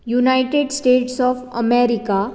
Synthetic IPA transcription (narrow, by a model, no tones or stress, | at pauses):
junaɪʈeɖsʈeːʈsɔːfəmeɾika